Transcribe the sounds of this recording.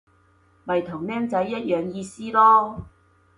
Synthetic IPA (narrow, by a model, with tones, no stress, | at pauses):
mɐ˨jt̪ʰʊ˨˩ŋnɛː˥ŋt͡sɐ˨˥jːɐ˥t̚jœː˨˧ŋjiː˧siː˥lɔː˥